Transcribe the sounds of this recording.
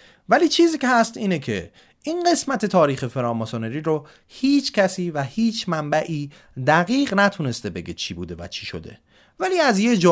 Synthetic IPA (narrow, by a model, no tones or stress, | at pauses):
væliːt͡ʃʰiːziːcehæst̪iːnecʰe̞̰ | ʔiːnɢe̞smæt̪ʰe̞t̪ʰɒːɾiːxe̞feɾɒːmosoneɾiːɾo | hiːt͡ʃʰcʲʰæsiːvæhiːt͡ʃʰmæmbæʔiː | d̪æɣiːɢnæt̪ʰune̞st̪e̞be̞ɡet͡ʃʰiːbṵːd̪e̞væ̰t͡ʃʰi̥ʃo̞̰d̪e̞̰ | væliːæzjed͡ʒɒː